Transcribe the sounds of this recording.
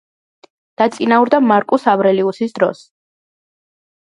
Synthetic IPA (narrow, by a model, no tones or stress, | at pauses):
d̪̥at̪sʼinauɾd̪amaɾkʼusavɾɛliusisd̪ɾɔ̰s